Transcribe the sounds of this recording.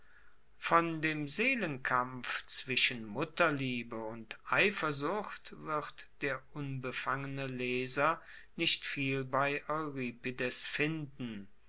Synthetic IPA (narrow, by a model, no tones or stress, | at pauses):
fɔndeːmzeːlənkʰamft͡sv̥ɪʃənmʊtɐliːbəʊntʔaɪfɐzʊxtv̥ɪʁtd̥eːɐʔʊnbəfaŋənəlɛːzɐ | nɪʃtfiːlbaɪʔɔʏʁiːpidɛsfɪndn̩